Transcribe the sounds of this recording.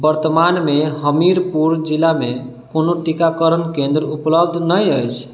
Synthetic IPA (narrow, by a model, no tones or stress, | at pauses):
bəɾt̪əmanmeɦəmiɾpuɾd͡ʒilame | konoʈikakəɾənkẽnd̪ɾupləb̚d̪ʱnəjəjt͡ʃʰ